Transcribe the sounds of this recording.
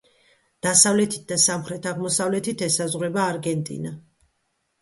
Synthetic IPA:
d̪̥asavlɛt̪ʰi̥t̪̚ʰd̪asamχɾɛt̪ʰaʁmɔsavlɛt̪ʰit̪ʰɛsazʁwɾɛbaːɾɡɛnt̪ʼḭna

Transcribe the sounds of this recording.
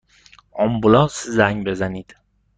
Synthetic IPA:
ɒmbʊlɒsɪzaŋbezanid̪ɪ̥

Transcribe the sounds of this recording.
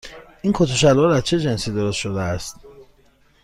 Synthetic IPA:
ʔinkʰot̪ʰoʃæloɾæzt͡ʃʰe̞d͡ʒe̞nsiːd̪o̞ɾost̪ʃod̪eæst̪

